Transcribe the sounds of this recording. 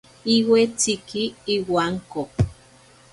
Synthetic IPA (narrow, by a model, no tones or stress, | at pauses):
iwet͡sikiːwaŋko